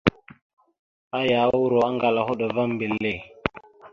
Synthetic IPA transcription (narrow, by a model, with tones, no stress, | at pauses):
a˦ja˨˦wu˦ɾo˨a˦ŋɡa˨la˨ho˦ɗo˨va˦mbi˨lːe˨